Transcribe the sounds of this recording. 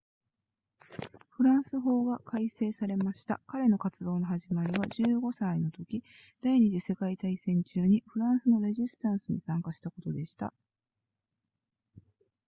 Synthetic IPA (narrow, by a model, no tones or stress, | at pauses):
ɸɯ̟ɾãɰ̃sɨɦo̞ːɡakaise̞ːsaɾe̞maɕi̥t̪a̰kaɾe̞no̞kat͡sɨd̪o̞ːno̞ɦaʑimaɾʲiβaʑɨːɡo̞saino̞t̪o̞kʲi | d̪̥aiɲ̟iʑise̞kait̪aisẽ̞ɲt͡ɕɨːɲ̟iɸɯ̟ɾãɰ̃sɨno̞ɾe̞ʑisɨ̥t̪ãɰ̃sɨɲ̟isãŋkaɕi̥t̪ako̞t̪o̞d̪e̞ɕi̥t̪a̰